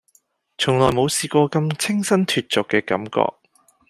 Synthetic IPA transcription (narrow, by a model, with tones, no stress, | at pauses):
t͡sʰʊ˨˩ŋlɔː˨˩jmo˨˧wsiː˧kʷɔː˧kɐ˧mt͡sʰɪ˥ŋsɐ˥nt̪ʰyː˧t̚t͡sʊ˨kːɛː˧kɐ̰˨˥mkɔ̰ː˧k̚